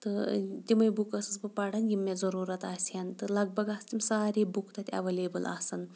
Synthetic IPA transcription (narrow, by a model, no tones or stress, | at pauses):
t̪ɨt̪ʲimɐjbukɐsɨsbɨpɐɽɐnjimːezɐɾuːɾɐt̪aːsʲɐnt̪ɨlɐɡ̚bɐɡɐst̪ʲimsaːɾiːbukt̪ɐt̪ʲɐ̰ʋɐlʲeːbɨlʔa̰ːsɐn